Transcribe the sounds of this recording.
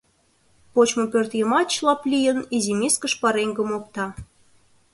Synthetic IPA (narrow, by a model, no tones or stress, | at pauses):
pot͡ɕmopørt̪jəmɑt͡ɕlɑplʲijə̆nizimʲiskəʃpɑɾeŋɡə̆mok̚t̪ɑ